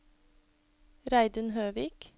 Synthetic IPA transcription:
ɾæɪd̪ʉnhøːʋiːk

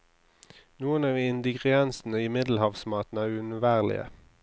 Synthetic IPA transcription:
nuːənɑːʋɪnd̪ɪɡʁɪɛnsn̩əimɪd̪l̩hɑːʋsmɑːt̪n̩æːʁʉnʉʋæːʁlɪ̰ə̰

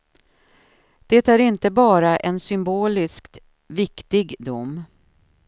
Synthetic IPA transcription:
d̪̥ɛt̪æɾɪnt̪əbɑːɾaʔɛnsʏmboːlɪskt̪ | vɪkt̪ɪɡd̪ʊ̰mː

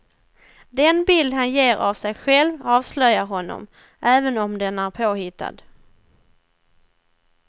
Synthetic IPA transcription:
d̪ɛnbɪld̪ɦanjeːɾʔa̰vsɛjɧɛlvɑːvslœjaɾɦɔnːɔ̰m | ʔæːvənɔmd̪ɛnæɾpʰoːhɪt̪ʰːa̰d̪

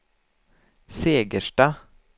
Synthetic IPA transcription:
seːɡəʃʈɑː

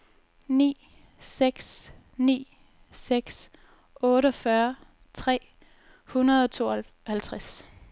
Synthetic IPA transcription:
nḭː | seɡ̥s | nḭː | seɡ̥s | ɔ̽ːɾəɒ̽fɶːɐ | t͡sʰʁɛ̰ː | hunɐðˠɒ̽t͡sʰo̝̰ː | hælt͡sʰʁas

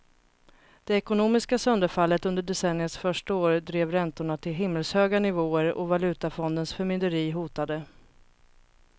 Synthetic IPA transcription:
d̪̥ɛɛkʊnoːmɪskasœnd̪əɾfalːət̪ɵnd̪əɖɛsɛnːɪəsfœʂʈaoːɾd̪ɾeːvɾɛnt̪ʊɳat̪ʰɪlɦɪmːəlshøːɡanɪvoːəɾɔ̰valʉ̟ːt̪afɔnd̪ənsfœɾmʏnd̪əɾiːɦuːt̪ad̪ə

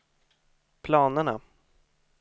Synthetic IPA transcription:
pʰlɑːnəɳa̰

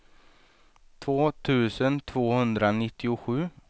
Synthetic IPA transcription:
t̪ʰvoːt̪ʰʉ̟ːsənt̪ʰv̥oːhɵnd̪ɾanɪt̪ːɪʊɧʉ̟ː

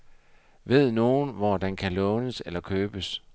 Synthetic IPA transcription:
ʋe̝ð̞̰ˠno̝ːnʋɒd̥ænkʰælɔ̽ːnəselɐkʰøːb̥əs

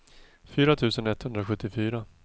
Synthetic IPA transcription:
fyːɾat̪ʰʉ̟ːsənɛt̪hɵnd̪ɾaɧɵt̪ːɪfyːɾa

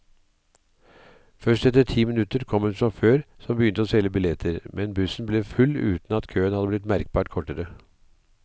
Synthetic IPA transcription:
fœʂʈɛt̪əʈʰiːmɪnʉt̪əɾkʰɔmʉnfɾɔmføːɾsɔmbəjʏnt̪əoːsɛlːəbɪlɛt̪ʰəɾmʔɛnbʉsn̩bleːfʉlʉ̰ːt̪n̩ɑt̪kʰøːənhɑd̪əblɪt̪̬mæɾk̚bɑːʈkʰɔʈəɾə

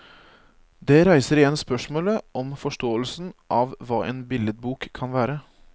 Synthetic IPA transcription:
d̪ɛɾæɪsəɾɪjɛnspœʂmoːləʔɔmfɔʂʈoːəlsn̩ʔɑʋʋɑːʔḛːnbɪləd̪̚buːkʰːɑnʋæːɾə

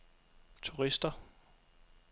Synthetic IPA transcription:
t͡sʰuʁisd̥ɐ

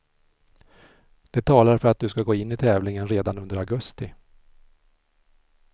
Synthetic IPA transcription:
d̪̥ɛt̪ʰɑːlaɾfœɾat̪̚d̪ɵskaɡoːɪnːɪt̪ʰɛːvlɪŋənɾeːd̪anɵnd̪əɾaɡɵst̪ɪ

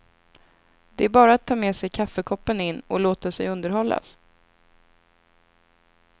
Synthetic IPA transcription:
d̪̥ɛæɾbɑːɾaat̪ʰːɑːmeːsɛjkʰafːəkʰɔpːənɪnːɔloːt̪asɛjɵnd̪əɾhɔlːa̰s

